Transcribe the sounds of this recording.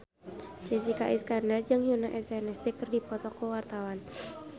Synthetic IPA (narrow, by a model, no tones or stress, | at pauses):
t͡ʃes̬ikaʔiskarnɛrd͡ʒɨŋhjunaʔɛsɛnɛst̪ikərdipɔt̪ɔkəwart̪awan